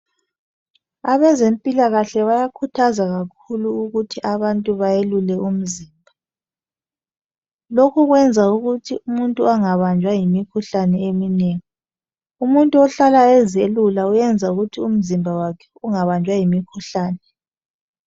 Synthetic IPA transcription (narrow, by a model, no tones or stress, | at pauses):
aβɛzempʼilaɣaɬɛβajakʰutʰazaɣakʰuluuɣutʰiʔaβantʼuβajelulɛum̩ziːmbʱa | lokʰuɣwɛnd͡zʱauɣutʰiumuntʼuaŋaβand͡ʒʱwajimikʰuɬanɛemineŋi | umuntʼuɔɬalaɛzelulaujɛnd͡zʱauɣutʰium̩zimbʱawakʰɛ̥uŋaβand͡ʒʱwajimikʰuɬaːnɛ